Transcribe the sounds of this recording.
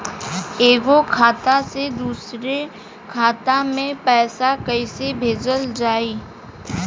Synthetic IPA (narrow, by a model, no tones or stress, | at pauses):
eːɡokʰaːt̪ased̪uːsɾe | kʰaːt̪amẽpɛːsakəɪsebʱeːd͡ʒəld͡ʒaːiː